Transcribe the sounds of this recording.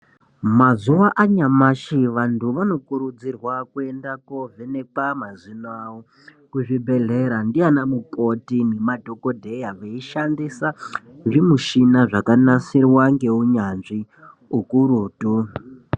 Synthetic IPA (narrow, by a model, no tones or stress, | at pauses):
mazuʋaʔaɲamaʃiʋantʰuʋano̞kuɾud͡zirwakue̞ndakovʱenek͡pamazinawo | kuʐibʱe̞ɮe̞ɾandianamukʼo̞tinemadʱo̞kodʱe̞jaʋeiʃandisaʐimuʃinaʐakanasirwaŋɡe̞uɲanʐi | ukuɾuːtu